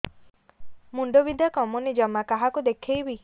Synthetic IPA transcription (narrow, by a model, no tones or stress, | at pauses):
muɳɖobid̪ʱjakɔmunid͡ʒɔmːakaɦakud̪ekʰejbi